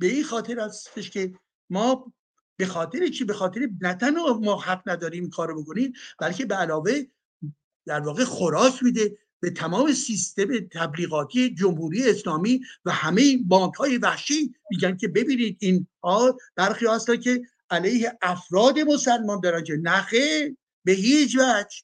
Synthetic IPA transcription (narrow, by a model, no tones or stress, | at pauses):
be̞iːnxɒːt̪ʰe̞ɾhæst̪e̞ʃcʰe̞ | mɒː | be̞xɒːt̪ʰe̞ɾet͡ʃʰibe̞xɒːt̪ʰe̞ɾenæt̪ʰænhɒːmɒːhæɢnæd̪ɒːɾiːmikʰɒːɾoboko̞niːmb̥ælcʰe̞beælɒːve̞ | d̪̥æɾvɒːɣexoɾɒːcʰmiːd̪e̞ | b̥e̞t̪ʰæmɒːme̞sist̪e̞me̞t̪ʰæbliːɣɒːt̪ʰije̞d͡ʒomhuːɾije̞ːslɒːmiːvæhæmejibɒːŋkhɒːje̞væhʃimiːɟæn̚cʰʲe̞be̞biːniːd̪̚inhɒːb̥æɾxiːɒːhæst̪æncʰe̞ | ælejhe̞ʔæfɾɒːd̪e̞mo̞sælmɒːnd̪ɒɾænkʰenæxeɾ | beɦiːt͡ʃvæd͡ʒ